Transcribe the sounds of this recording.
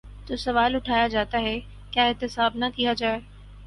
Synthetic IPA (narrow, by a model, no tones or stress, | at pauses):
t̪oːsɐʋaːlʊʈʰaːjad͡ʒaːt̪aɦɛ | kjaːɪt̪ɪsaːbnɐk̪ʰijad͡ʒaːe